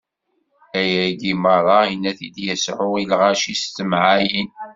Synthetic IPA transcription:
æjæd̪imɑðˤɑinːæθid̪jæsħʊilʁæʃist̪ːəmʕajin

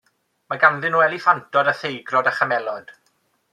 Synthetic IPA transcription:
maɡanðɪnwɛlˠifantʰɔdaθejɡrɔdaχamɛlˠɔd̥

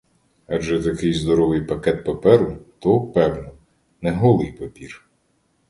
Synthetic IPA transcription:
ɐd͡ʒɛt̪ɐkɪjzd̪ɔɾɔʋɪjpɐkɛt̪̚pɐpɛɾʊt̪ɔpɛwnɔ | nɛɦɔlˠɪjpɐpʲir

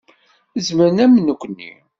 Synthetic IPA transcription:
əzməɾnæmnukʷːnːḭ

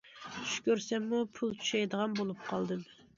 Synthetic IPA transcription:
t͡ʃʰy̥ʃkʲøɾsɛmːupʰulˠt͡ʃʰy̥ʃɛjd̪əʁɑnbolˠup̚qʰɑlˠd̪ɨm

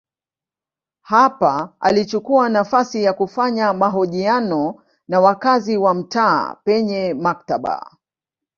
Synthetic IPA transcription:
hapaa̰lit͡ʃukuanafasijakufaɲamaɦɔʄianɔ | nawakaziwam̩ta̰ːpɛɲɛmak̚taɓa̰

